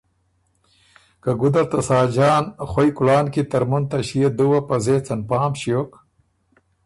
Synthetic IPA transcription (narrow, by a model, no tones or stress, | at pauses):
kaɡud̪ɐɾt̪ɐsaːd͡ʒɑːnxwojkʊlɑːnkit̪ɐɾmunt̪aɕijed̪uwapazet͡sɐnpɑːmɕijok